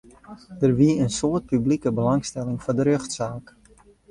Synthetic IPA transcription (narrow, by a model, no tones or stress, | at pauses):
d̥ərʋiəənsoət̚pyblikəbəlɑŋstɛlɪŋfɔdəɾøxtsaːk